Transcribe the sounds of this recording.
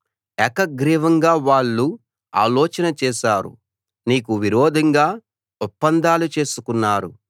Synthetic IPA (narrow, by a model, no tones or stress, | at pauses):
ɛkɐɡɾiːʋɐŋɡaːʋaːɭːu | a̰ːlɔːt͡ʃɐnɐt͡ʃɛːʃaːɾṵ | niːkuʋiɾɔːd̪ʱɐŋɡaː | ɔpːɐnd̪aːlut͡ʃe̞ːsukunːaːɾu